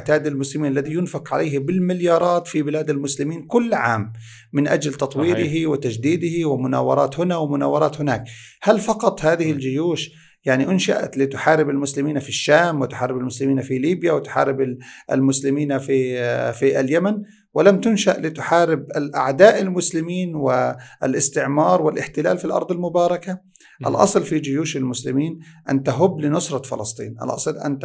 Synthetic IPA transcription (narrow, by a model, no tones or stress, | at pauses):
ʕt̪aːd̪almʊslɪmiːnʔalːaðijʊnfɪqʕalajhɪbɪlmɪljɑːɾˤɑːt̪fibɪlaːd̪almʊslɪmiːnkʊlːʕa̰ːmː | ɪnʔa̰d͡ʒlt̪ɑt̪ˤwiːɾɪɦiwɪt̪ad͡ʒd̪iːd̪ɪhiwɪmʊna̰ːwɑ̰ɾˤɑ̰ːt̪hʊnawɪmʊna̰ːwɑɾˤɑːt̪hʊnaːk̚halfɑqɑt̪ˤhaːðɪhɪld͡ʒʊjuːʃ | jaʕniʔʊnʃaʔa̰lit̪ʊħaːɾɪbalmʊslɪmiːnfiʃːaːmwɪt̪ʊ̥ħɑːɾɪbɪlmʊslɪmiːnfiliːbjawɪt̪ʊ̥ħɑ̰ːɾɪbɪʔa̰lmʊslɪmiːnafifialjaman | wɪlamt̪ʊnʃaʔlit̪ʊħaːɾɪbalʔaʕd̪aːʔɪlmʊslɪmiːnwɪlɪst̪ɪʕmɑːɾˤwɪlʔɪħt̪ɪla̰ːlfilʔɑ̰ɾˤd̪ˤɪlmʊbɑːɾˤɑka | ʔa̰lʔɑ̰sˤlfid͡ʒɪjuːʃalmʊslɪmiːnʔa̰nt̪aɦʊbːlɪnʊsɾˤɑfɪ̰lɑsˤt̪ˤḭːnʔa̰lʔɑ̰sˤlʔa̰nt̪